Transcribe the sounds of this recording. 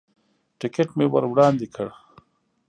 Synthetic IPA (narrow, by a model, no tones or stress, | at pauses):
ʈɪkeʈmeːwɐɾwɽɑːnd̪ikʰəɽ